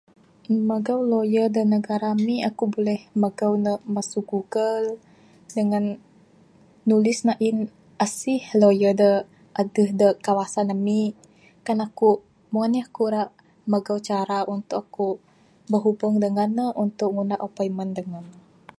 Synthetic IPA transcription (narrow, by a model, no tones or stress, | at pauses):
məɡawlojədənəɡaɾamiakubolɛhməɡawnəməsuɡuɡəl | dəŋan | ulɪsnaʔin | asɪhlojədə | ʔadəhdəkawasanami | kanaku | muŋanjaakuɾaʔ | məɡawt͡ʃaɾaʔunt̪ukaku | bəɦubuŋdəŋanːəʔunt̪uk̚ŋunaʔopaiməndəŋan